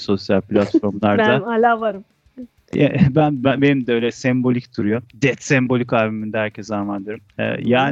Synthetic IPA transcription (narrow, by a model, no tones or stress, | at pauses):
so̞sjalʲpʰlʲat̪ffo̞ɾmlˠaɾd̪aalʲaːvaɾɯm | ɛ̰bænbæbenimd̪ɛø̞jlʲɛsɛmbo̞lʲicd̪ʰuɾujod̪ɛt̪sɛmbo̞lʲikaɾbemind̪ɛæɾcʰɛsamand̪ɯɾmɛ̰jaːn